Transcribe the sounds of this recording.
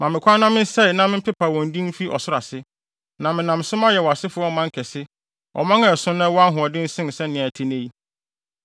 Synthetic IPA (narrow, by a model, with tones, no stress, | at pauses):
mã˨mɪ̃˨kʷʰa˦nã˦mɪ̃˦n˦sɛ˦˨nã˦mɪ̃˦m̩˦pʰɪ˦pʰa˨wɔ̃˨n˨dĩ˦m̩˦fi˦ʔɔ̰˨sʊ˦ɾa˨sɪ˦ | nã˨mɪ̃˨nã˨msʊ̃˦mã˦jɛ˨wɔ˨a˨sɪ˦fʊ˦ɔ˦mã˦ŋ˦kʰɛ˨sɪ˦ | ɔ̰˨mã˦ŋɛ̃˦˨sʊ̃˦nã˦wɔ˦a˦ɦʊ̃˨ɔ˨dɪ̃˦n̩˦sɪ̃˦n˨sɛ˦nɪ̃˨æ˨tʰɪ˦ne˦i˦